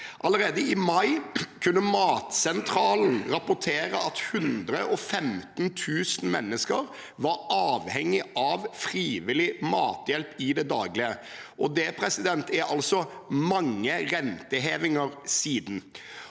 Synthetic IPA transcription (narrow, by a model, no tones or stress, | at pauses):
ʔɑləɾeːd̪əɪmɑɪkʰʉnːəmɑːt̪sɛnt̪ʰɾɑːln̩ɾɑpʊʈʰeːɾəʔɑt̪hʉnd̪ɾəʔɔfɛmt̪n̩t̪ʰʉːsn̩mɛ̰nːəskəɾ | ʋɑɾɑːʋhɛŋːɪʔɑʋfɾiːʋɪlɪmɑːt̪jɛlpɪd̪ɛd̪ɑːɡlɪəʔɔd̪ɛpʰɾɛsɪd̪ɛnt̪ʰɛɾɑlsɔmɑŋːəɾɛnt̪əɦeːʋɪŋəɾsiːd̪n̩